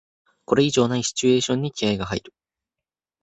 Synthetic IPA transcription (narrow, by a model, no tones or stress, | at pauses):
ko̞ɾe̞iʑo̞ːnaiɕi̥t͡ɕɨe̞ːɕõ̞ɲ̟ːikʲiaiɡaɦaiɾɯ̟